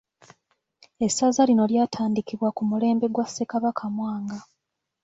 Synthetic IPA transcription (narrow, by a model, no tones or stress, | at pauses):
esazalino̞ljaːtʰaːndikiβwakumule̞ːmbe̞ɡwase̞kaβakʰamwaːŋɡa